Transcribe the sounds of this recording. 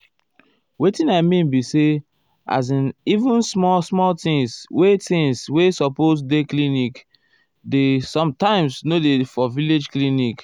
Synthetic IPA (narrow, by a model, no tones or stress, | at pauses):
wetĩnaɪmĩnbise | a̰z̬ĩnivũnsmɔsmɔltĩŋswetĩŋswesɔpos̬deklinik | desɔ̃mtãɪ̃msnodefɔviled͡ʒklinik